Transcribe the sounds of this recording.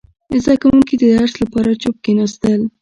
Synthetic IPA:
ɪzɑkawuŋkid̪əd̪aɾslapɑɾat͡ʃop̚kenɑst̪əl

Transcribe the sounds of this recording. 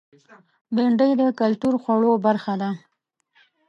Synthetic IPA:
beɳɖəjd̪əkalt̪uɾxwaɽobaɾxad̪a

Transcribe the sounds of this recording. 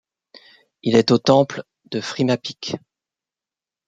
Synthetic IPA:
ilɛt̪ot̪ɑ̃pl | d̪̥əfχimapik

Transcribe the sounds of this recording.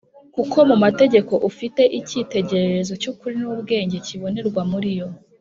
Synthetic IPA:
kuko̞mumate̞ɟe̞ko̞ʔufite̞ʔiciːte̞ɟe̞ɾeɾezo̞cukuɾinubɡe̞ːɲɟe̞ciβo̞ne̞ɾɡwamuɾijo̞

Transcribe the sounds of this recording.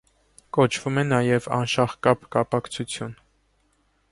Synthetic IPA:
kɔt͡ʃʰv̥umɛnɑjɛvɑ̰nʃɑχkɑpkɑpɑkt͡sʰut͡sʰjun

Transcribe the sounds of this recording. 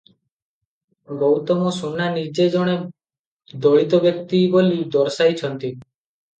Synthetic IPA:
bɔwt̪ɔmosunanid͡ʒed͡ʒɔɽ̃e | d̪oɭit̪objɔk̚t̪ibolid̪ɔɾsajt͡ʃʰɔnt̪i

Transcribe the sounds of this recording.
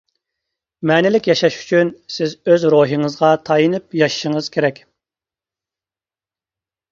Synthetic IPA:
mɛːnɪlɪkʲjɑʃɑʃy̥t͡ʃʰynsɪzøzɾoɦɨŋɨzʁɑt̪ʰɑjɨnɨp̚jɑʃʃɪŋəz̥kʲʰeɾɛkʲ

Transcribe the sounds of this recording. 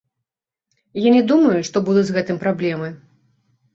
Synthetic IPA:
janʲɛd̪umɐjuʂt̪ɔbud̪uzɣɛt̪ɨmpɾablʲɛmɨ

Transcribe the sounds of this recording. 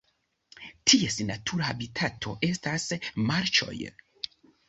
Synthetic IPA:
tʰiesinatʰuɾaabitʰatʰo̞ʔe̞stasmaɾt͡ʃo̞̰j

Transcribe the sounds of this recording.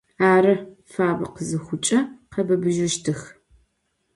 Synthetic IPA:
aːɾɐfaːbɐ̰qəzɨxʷʊt͡ʃʼɐqɐbɐbɨʒɪʃtʰɨx

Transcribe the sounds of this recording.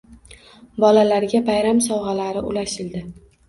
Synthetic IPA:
bɒlalaɾɡʲabajɾamsɒwʁalaɾɪʔʊlaʃɪld̪ɪ

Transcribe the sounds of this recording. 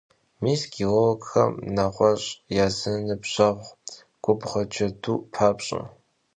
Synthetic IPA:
misɡʼilolkxɐ̰mnaʁʷɔɕʼjazɨnɨpɕɐʁʷ | ɡ̥ʷʼʊbʁɐt͡ʃʰɐdʰuːpʰaːpɕʼɐ̰

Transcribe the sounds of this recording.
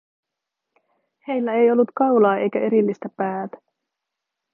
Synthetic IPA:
he̞jlːæe̞jo̞lːut̪kɑwlɑːʔe̞jkæe̞ɾilːist̪æpæːt̪æ̥

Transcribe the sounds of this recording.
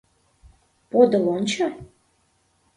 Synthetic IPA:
pod̪ə̆lont͡ɕɑ

